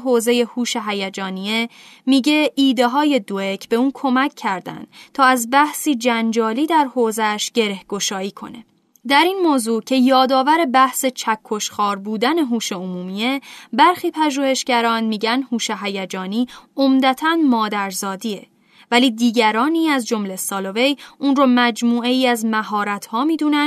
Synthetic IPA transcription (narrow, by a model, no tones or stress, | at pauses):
ɦoːze̞je̞huːʃe̞ɦæjæd͡ʒɒːniemiːɟe̞ʔiːd̪e̞ɦɒːje̞d̪oe̞cʰb̥e̞uːnkʰo̞mæcʰːæɾd̪æ̰nd̪̥t̪ʰɒːæzbæhsiːd͡ʒænd͡ʒɒːliːd̪æɾhoːzeæʃɟ̥eɾe̞hɡ̥o̞ʃɒːiːkʰo̞̰ne̞̰ | d̪æɾiːnmoːzuːcʰe̞jɒːd̪ɒːvæɾe̞bæhse̞t͡ʃʰækʰːo̞ʃxɒːɾbuːd̪æne̞ɦuːʃe̞omuːmiebæɾxiːpʰæʒuːhe̞ʃɟæɾɒːnmiːɟænd̪huːʃeɦæjæd͡ʒɒːniːomd̪æt̪ʰænmɒːd̪æɾzɒːd̪iːe | væliːd̪iːɟæɾɒːniːæzd͡ʒo̞mle̞sɒːlo̞ve̞jʔuːnrɔːmæd͡ʒmuːe̞jiːæzmæɦɒːɾæt̪ʰhɒːmiːd̪uːnæn